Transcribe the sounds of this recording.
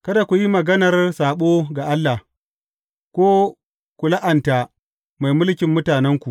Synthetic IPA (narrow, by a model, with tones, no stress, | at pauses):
kɐ˦da˨kʷu˨ji˦mɐ˨ɡɐ˦nɐ˨rsaː˨ɓoː˦ɡa˨ʔa˦lːa˨h | kʷoː˦ | ku˨la˦ʔa˨nta˨ | ma˨jmʊ˦lkʲɪ˨mːʊ˦taː˨nɛ˦ŋkʷu˨